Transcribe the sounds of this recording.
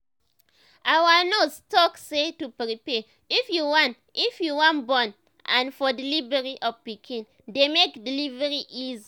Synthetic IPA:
ʔawanostɔksetupɹipɛ | ifjuwɔ̃nt | ifjuwɔ̃nbɔ̃n | ãnfɔdilivɛɹiʔɔvpikʰĩn | demekdilivɛɹiʔiz

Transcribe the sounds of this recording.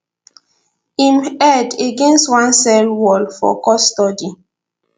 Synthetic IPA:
imɛdeɡẽnstwãnsɛlwɔlfɔ̰kɔstɔdi

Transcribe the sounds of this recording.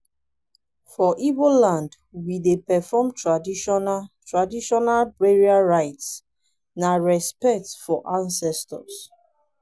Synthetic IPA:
fɔʔivolãnd | widepɛfɔmtʰɹadiʃɔntɹadiʃɔnalbɹeɹiaɹaɪts | naɹɛspɛk̚tfɔʔãnsɛstɔ̰s

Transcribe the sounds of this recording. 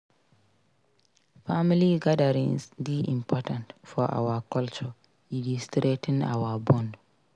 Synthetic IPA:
familiɡadaɾĩŋsdiʔḭ̃mpʰɔtãntfɔʔa̰wakɔlt͡ʃɔ | ilustɾetʰĩna̰wabɔ̃nd

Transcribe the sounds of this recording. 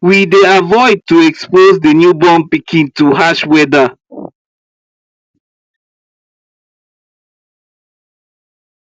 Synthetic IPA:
wideavɔɪd̚tuɛkspozdənjubɔ̃npikʰĩntuɦaʃwɛda

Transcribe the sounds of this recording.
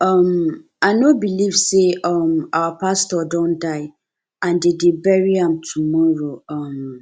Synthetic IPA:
ɔm | anobilivseʔɔmawapastɔdɔ̃ndaɪ | ãndedebɛɹiãmtʰumɔɹoɔm

